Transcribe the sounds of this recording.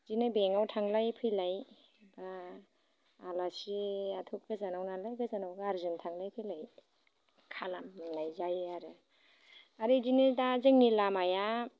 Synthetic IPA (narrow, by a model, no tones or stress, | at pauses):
dinɯbeŋawtʰaŋlajpʰɯjlaj | ba | lasiatʰuk̚ɡɯzanawnalajɡɯzanawɡaɾzɯntʰaŋlajpʰɯjlaj | kʰalamnajzajaɾɯ | aɾidinɯdazɯŋnilamaja